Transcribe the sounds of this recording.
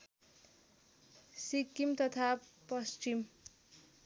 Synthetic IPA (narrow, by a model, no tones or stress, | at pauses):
sikimt̪ʌt̪ʰapʌst͡ʃim